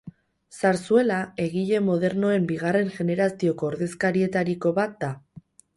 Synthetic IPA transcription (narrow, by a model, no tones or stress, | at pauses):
saɾsue̞lae̞ɣiʎe̞mo̞ð̞e̞ɾno̞e̞mbiɣare̞ŋʝe̞ne̞ɾasio̞ko̞ːɾðe̞skaɾie̞t̪aɾiko̞βat̪̚d̪a